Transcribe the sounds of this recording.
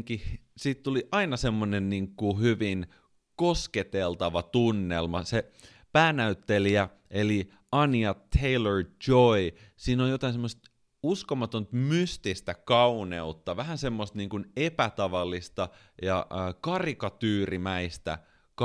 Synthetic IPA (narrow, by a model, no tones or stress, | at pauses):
kisiːt̪t̪uliʔɑinɑsemːonenniːŋkuhyʋin | kosket̪elt̪ɑʋɑt̪unːelmɑse | pæːnæyt̪ːeliæ | eli | ɑniɑt̪ʰːeiløɹd͡ʒoisiːnoljot̪ɑˑinsemːost̪ | uskomɑt̪ont̪myst̪ist̪ækɑuneut̪ːɑʋæhænsemːost̪niːŋkunepæt̪ɑʋɑlːist̪ɑ | jɑːkɑrikɑt̪yːrimæist̪æ̰ | k